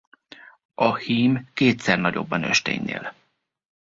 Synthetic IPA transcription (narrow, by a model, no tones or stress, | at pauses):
ɒhiːmkeːt̪sɛrnɒɟo̞̰bːɒnø̰ʃt̪ḛːɲnḛːl